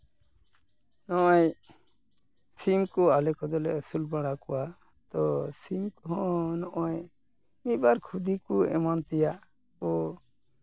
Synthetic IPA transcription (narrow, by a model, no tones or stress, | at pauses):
nɔʔɔj | simkɔalɛkɔd̪ɔlɛəsulbaɽakɔwa | t̪ɔsimkɔɦɔ̃nɔʔɔj | mibaɾkʰud̪ikuɛ̰mant̪ɛjaʔ | kɔ